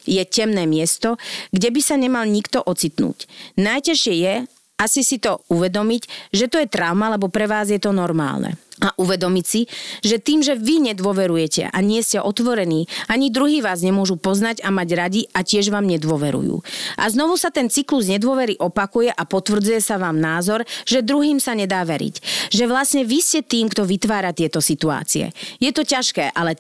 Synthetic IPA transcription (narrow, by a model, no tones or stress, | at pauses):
jɛcɛmnɛːmɪɛst̪ɔɡɟɛbisaɲɛmalɲikt̪ɔʔɔt͡sit̪nṵːcnajcaʃɪɛjɛ | asisit̪ɔuʋɛd̪ɔmicʒɛt̪ɔjɛt̪ɾaʊmalɛbɔpɾɛʋaːzjɛt̪ɔnɔɾma̰ːlnʔɛ̰aʔuʋɛd̪ɔmicsiʒɛt̪iːmʒɛʋiɲɛd̪ʊɔʋɛɾujɛcɛ̰ʔa̰ɲɪɛscɛʔɔt̪ʋɔɾɛniːaɲid̪ɾuɦiːʋaːzɲɛmʊɔʒupɔznaɟamaɟɾaɟiacɪɛʒʋaːmɲɛd̪ʊɔʋɛɾṵjṵːʔa̰znɔʋusat̪ɛnt͡sikluzɲɛd̪ʊɔʋɛɾiʔɔpakujɛʔapɔt̪ʋr̩d͡zujɛsaʋaːmnaːzɔɾʒɛd̪ɾuɦiːmsaɲɛd̪aːʋɛɾḭcʒɛʋlasɲɛʋiscɛt̪iːmkt̪ɔʋit̪ʋaːɾat̪ɪɛt̪ɔsit̪ua̰ːt͡siɛ̰jɛt̪ɔcaʃkɛːʔalɛ